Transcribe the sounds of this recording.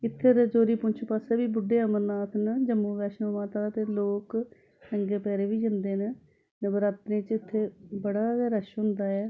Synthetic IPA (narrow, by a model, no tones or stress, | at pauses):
ɪt̪ʰːeːɾəd͡ʒoːɾiːpʊɲt͡ʃʰpaːseːbiːbʊɖːeːəməɾnaːt̪ʰnd͡ʒəmːũːʋɛːʃnõːmaːt̪aːt̪eːloːk | nəŋɡeːpɛːɾeːʋiːd͡ʒənd̪eːnə | nəbəɾaːt̪nẽːt͡ʃɪt̪ʰːeːbəɽaːɡɛːɾəʃɦʊ̃nd̪aːɛː